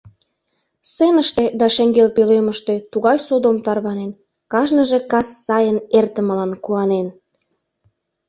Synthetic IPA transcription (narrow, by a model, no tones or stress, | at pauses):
senəʃt̪ed̪ɑʃeŋɡelpeleməʃt̪et̪uɣɑjsod̪omt̪ɑrβɑnen | kɑʒnəʒe̽kɑsːɑjənert̪əmə̆lɑnkuɑnen